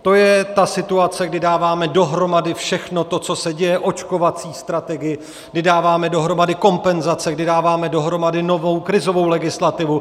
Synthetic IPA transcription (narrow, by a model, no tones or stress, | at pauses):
t̪o̞jɛt̪asɪt̪uat͡sɛɡdɪdaːvaːmɛdo̞ɦɾo̞madɪfʃɛxno̞t̪o̞t͡so̞sɛɟɛjɛʔo̞t͡ʃko̞vat͡siːst̪ɾat̪ɛɡɪjɪ | ɡdɪdaːvaːmɛdo̞ɦɾo̞madɪko̞mpɛnzat͡sɛɡdɪdaːvaːmɛdo̞ɦɾo̞madɪno̞vo̞wkɾɪzo̞vo̞wlɛɡɪslat̪ɪvu